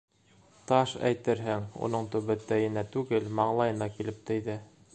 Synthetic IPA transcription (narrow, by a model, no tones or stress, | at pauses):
t̪ɑʃæ̰jt̪ɘɾɦɘŋṵnɤɴt̪ɵ̆βɘ̆t̪ːæjɘ̆næt̪ʉɡɘlmɑɴlˠɑjɤ̆nɑkilɘp̚t̪ɘ̆jðɘ